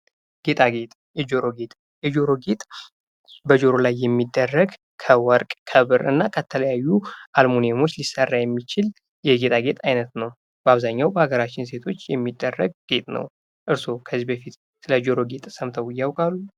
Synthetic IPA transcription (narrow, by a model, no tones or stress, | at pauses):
ɡ̥e̞t̪ʼaɡe̞t̪ʼjɛd͡ʒo̞ɾo̞ɡe̞t̪ʼ | jɛd͡ʒo̞ɾo̞ɡet̪ʼ | bəd͡ʒo̞ɾo̞lajːɛmːid̪ːərːəɡ | kʰəwɔɾkʼkʰəβɨɾɨ̰nːakʰət̪ʰələjajːuʔalmonemo̞t͡ʃːlisərːajɛmːit͡ʃɪl | jɛɡe̞t̪ʼaɡe̞t̪ʼajnət̪nəw | b̥əaβzaɲːawbəhaɡəɾat͡ʃːɪns̬e̞t̪ʰo̞t͡ʃːjɛ̰mːid̪ːərːə̰ɡ̚ɡ̥e̞t̪ʼnə̰w | ʔɨɾso̞kʰəzːibəfit̪ | sɨləd͡ʒo̞ɾo̞ɡe̞t̪ʼsəmt̪ʰəwɨjːawkʼalːu